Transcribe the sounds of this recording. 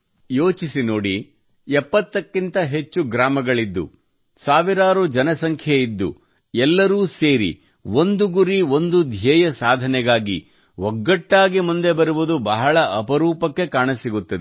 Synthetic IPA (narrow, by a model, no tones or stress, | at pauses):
jo̞ːt͡ʃisino̞ːɽi | ɛpːɐt̪ːɐkːint̪ɐɦe̞t͡ʃːuɡɾaːmɐɡɐɭid̪ːṵ | saːʋiɾaːɾud͡ʒɐnɐsɐŋkʰjɐid̪ːṵ | ɛlːɐɾuːse̞ːɾḭ | o̞nd̪uɡuɾio̞nd̪ud̪ʱjɛːjɐsaːd̪ʱɐnɛɡaːɡḭ | ʋɔɡːɐʈːaːɡimund̪e̞bɐɾuʋud̪ubɐɦɐɭɐʔɐpɐɾuːpɐkːe̞kaːɳɐsiɡut̪ːɐd̪e